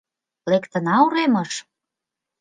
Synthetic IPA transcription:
lekt̪ə̆nɑuɾemɤʃ

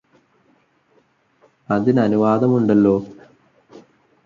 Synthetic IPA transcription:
ɐðinɐnuʋaːd̪ɐmuɳɖɐlːo̞ː

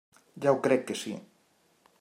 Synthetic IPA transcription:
ʎawkɾɛkːesḭ

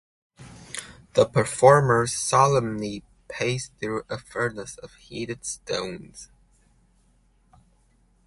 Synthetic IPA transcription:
ðəpʰə˞fɔɹmə˞z̥sɑlˠə̃mli | pʰeɪsθɹʉʔəfɜ˞nəsʌv̥hiɾɨd̥stõʊ̃nz̥

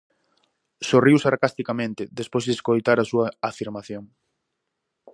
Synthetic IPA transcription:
soriwsaɾkast̪ikamẽnt̪ɪðespojzðeskojt̪aɾasuɐafiɾmaθjoŋ

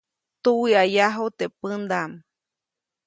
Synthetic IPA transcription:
t̪uwiajaɦot̪epɨnd̪am

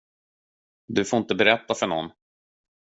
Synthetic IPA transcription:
d̪ɵfoːɾɪnt̪əbɛɾɛt̪ːafœɳɔ̰nː

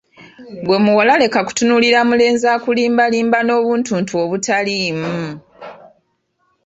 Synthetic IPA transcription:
ɡwe̞muwalale̞kaku̥tunuliɾamule̞ːnzaːkuliːmbaliːmbano̞ːβuːntuːntuoβutaliːmu

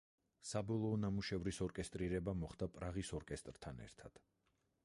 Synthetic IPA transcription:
sabɔlˠɔːnamuʃɛvɾisɔɾkʼɛst̪ʼɾiɾɛbamɔχd̪apʼɾaʁisɔɾkʼɛst̪ʼɾt̪ʰanɛ̰ɾt̪ʰad̪̥

